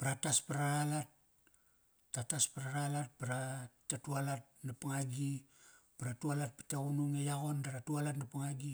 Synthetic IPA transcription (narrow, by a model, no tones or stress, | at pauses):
paɾataspaɾaɾalat̚ | ataspaɾaɾalat̚paɾatatualat̚napaŋaɡipaɾatualat̚pi̥taunuŋejaɣo̞ndaɾatualatnapaŋaɡi